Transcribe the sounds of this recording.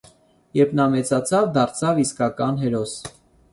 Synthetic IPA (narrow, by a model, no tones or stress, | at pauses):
jɛɾpʰnɑmɛt͡sɑt͡sʰɑvd̪ɑɾt͡sʰɑviskɑkɑnɦɛɾɔs